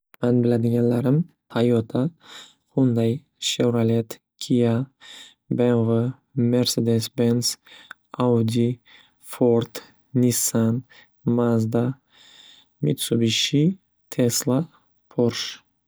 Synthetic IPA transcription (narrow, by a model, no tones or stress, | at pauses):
manbɪlad̪ɪɡʲanlaɾɪm | hʰajɔt̪ʰa | qʊnd̪aj | ʃewɾalet̪ | kʲʰija | benvɨ | me̞ɾse̞d̪esbens | awd̪ʲi | foɾt̪ | nisan | mazd̪a | mit̪subiʃi | t̪ʰeslˠa | pʰoɾʃ